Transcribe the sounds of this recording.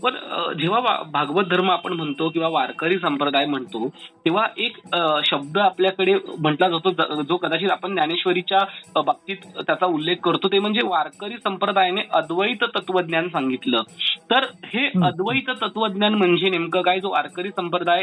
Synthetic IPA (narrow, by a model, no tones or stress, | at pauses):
pəɾə̰d͡ʑeʋ̤aʋa̰bʱaɡʋət̪̚d̪ʱəɾməapəɳm̤əɳt̪ok̬ĩw̃ʋaʋaɾkəɾiːs̬əmpɾəd̪ajm̤əɳt̪ot̪eʋ̤aʔekɕəb̚d̪əapljakəɽem̤əɳʈlad͡zast̪od͡zd͡zokəd̪at͡ɕiːt̪apəɳnjañeɕʋəɾit͡ɕjabab̚t̪iːt̪t̪ːjat͡saulːekʰːəɾt̪ot̪em̤əɳd͡zeʋaɾkəɾiːsəmpɾəd̪ajneʔəd̪ʋəit̪t̪ət̪ʋəd̪njansaŋɡit̪ləːt̪əɾheəd̪ʋəit̪ət̪ət̪ʋəd̪njanm̤əɳd͡zenemkəkaɦiːd͡zoʋa̰ɾkəɾiːsəmpɾəd̪aj